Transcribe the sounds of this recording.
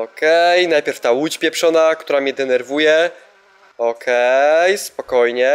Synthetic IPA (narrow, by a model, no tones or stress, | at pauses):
ɔkɛjnajpʲjɛɾft̪awut͡ɕpʲjɛpʂɔnakt̪uɾamɲɛd̪ɛnɛɾvujɛ | ɔkʰɛjspɔkɔjɲɛ